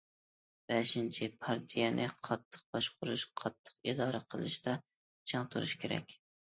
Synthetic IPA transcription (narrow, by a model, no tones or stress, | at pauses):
b̥ɛʃint͡ʃʰɪpʰɑɾt̪ʰijɛnʔɪqʰɑt̪ʰːə̥q̚bɑʃqʰʊɾuʃqʰɑt̪ʰːə̥qid̪ɑːɾaqʰəlˠɨʃt̪ɛ | t͡ʃʰɨŋt̪ʰuɾuʃkʲeɾɛ̰kʲ